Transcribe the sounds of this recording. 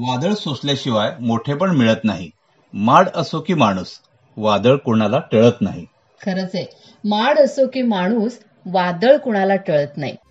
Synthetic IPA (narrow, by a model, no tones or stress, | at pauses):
ʋad̪əɭsosljaɕiʋajmoʈʰepəɳmiɭət̪naɦi | maɽəsokiːmaɽ̃uːs | ʋad̪əɭkuɳ̃alaʈəɭət̪na̰ɦi | kʰəɾət͡se | maɽəsokiːmaɽ̃uːs | ʋad̪əɭkuɽ̃alaʈəɭət̪na̰ɦḭ